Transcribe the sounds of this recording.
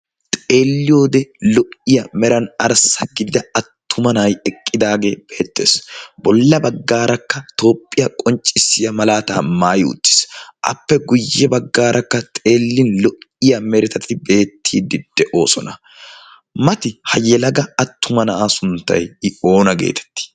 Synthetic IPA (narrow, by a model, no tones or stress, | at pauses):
t̪ʼe̞ːlːɪjo̞ːd̪ɛlɔʔɪjɐmɛɾɐnɐɾsɐɡɪd̪ɪd̪ɐɐt̪ʰːʊmɐnajɛkʼːɪd̪aːɡe̞ːb̥eːt̪ːe̞̰ːsbɔlːɐbɐɡːaːɾɐkːɐt̪o̞ːpʼːɪjɐkʼɔnt͡ʃʼːɪsːɪjɐmɐlaːt̪a̰ːmaːjʊ̰t̪ʼːɪ̥sʔɐ̰pːɛɡʊjːɛbɐɡːaːɾʔɐkːɐt̪ʼe̞ːlːɪnlɔʔɪjɐmɛɾɪt̪ɐt̪ɪbe̞ːt̪ʰːiːd̪ːɪd̪̥ɛʔo̞ːsɔnɐ | mɐt̪ɪhɐjɛlɐɡɐːt̪ːʊmɐnɐʔaːsʊnt̪ːɐ̰jɪo̞ːnɐɡe̞̰ːt̪ʰɛ̥t̪ːɪ̥